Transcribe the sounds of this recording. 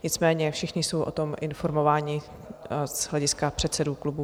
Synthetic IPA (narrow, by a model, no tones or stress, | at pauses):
ɲɪt͡smɛːɲɛfʃɛxɲɪso̞wʔo̰t̪o̞mʔɪnfo̞ɾmo̞vaːɲɪ | z̥ɦlɛɟɪskapr̥ɛt̪sɛduklubu